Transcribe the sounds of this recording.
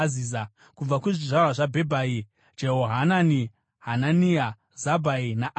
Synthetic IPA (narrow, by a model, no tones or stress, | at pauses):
ziza | kub͡vakuʐiʐarwaʐabʱebʱai | d͡ʒeɦoɦanani | ɦananija | zabʱainaʔ